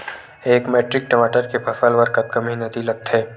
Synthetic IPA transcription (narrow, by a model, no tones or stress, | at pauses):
eːkmeːʈɾɪk̚ʈəmaːʈəɾkepʰɐfəlʋəɾkɐt̪̚kɐmɦinɐd̪ilɐk̚t̪ɦɛː